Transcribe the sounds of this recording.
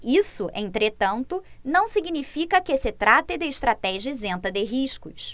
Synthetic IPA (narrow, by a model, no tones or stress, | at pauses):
isʊʔḛ̃nt̪ɾet̪ɐ̃nt̪ʊnɐ̃w̃siɡnifikɐkɪsɪt̪ɾat̪ɪd̪ɪɪʃt̪ɾat̪ɛʒɐɪzẽnt̪ɐd̪ɪɦiʃkʊs